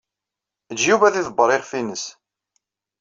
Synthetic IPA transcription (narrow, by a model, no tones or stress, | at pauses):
əd͡ʒːjuvæθiðəbːəɾˤeʁfinəs